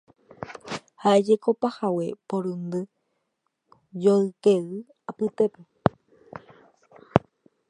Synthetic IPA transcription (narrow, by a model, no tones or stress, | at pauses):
haʔed͡ʒeko̞pahawe̞poɾund̪ɨ | d͡ʒoɨkeɨ | apɨt̪epe